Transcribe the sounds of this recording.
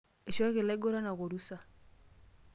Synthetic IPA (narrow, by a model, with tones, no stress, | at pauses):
e˨ʃɔ˦kɪ˨lɛ˦ɡo˦ɾa˦na˨ko˨ɾu˦sa˨